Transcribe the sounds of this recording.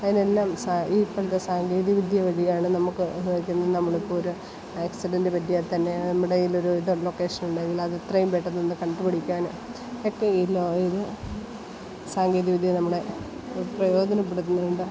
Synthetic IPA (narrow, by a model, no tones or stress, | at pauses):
ɐðine̞lːaːmsaipːɐɭɐt̪ːesaːŋɡeːðiʋid̪ʱjɐʋɐɻijaːɳɨnɐmukːɨnɨʋikʲːunːɐðɨnɐmːɐɭepːooɾu | eːksiɖɐndɨpɐtːijat̪ɐnːe̞nɐmːuɽeilo̞ɾuiðɐlokːe̞ːʂɐnuɳɖeŋɡilɐðet̪rɐjumpeʈːɐnːenːɨkɐɳɖɨpɐɽikʲːaːn | okːe̞iːloiðɨ | saːŋɡeːðiʋid̪ʱjɐnɐmːuɽe̞ | prɐjo̞ːd̪ʱɐnɐpːeɽut̪ːunːuuɳɖɨ